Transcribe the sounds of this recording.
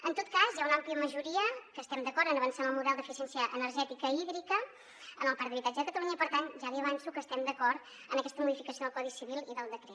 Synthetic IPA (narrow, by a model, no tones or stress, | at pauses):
ənt̪ot̪̚kazjaunampliəməʒuɾiəkəst̪ɛmd̪əkɔɾənəβənsanəlˠmuðɛlˠd̪əfisɛnsiəʔənəɾʒɛt̪ikəiðɾikə | ənəlˠpaɾt̪əβit̪ad͡ʒəðəkət̪əluɲəipəɾt̪anʒaðiəβansukəst̪ɛmd̪əkɔɾt̪ | ənəkɛst̪əmuðifikəsioðəlˠkɔðisiβilˠiðəlˠd̪əkɾɛ